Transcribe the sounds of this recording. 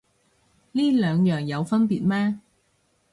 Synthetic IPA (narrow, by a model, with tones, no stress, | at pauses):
liː˥lœː˨˧ŋjœː˨˩ŋjɐ˨˧wfɐ˥npiː˨t̚mɛː˥